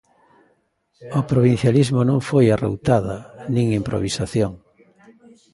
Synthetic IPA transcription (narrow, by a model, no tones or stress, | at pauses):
opɾoβin̟θjalizmonõŋfojaro̰wt̪aðanĩŋimpɾo̰βisaθjoŋ